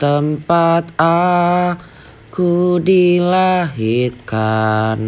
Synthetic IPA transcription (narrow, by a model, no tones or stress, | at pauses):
t̪əmpat̪a | kudilaɦikan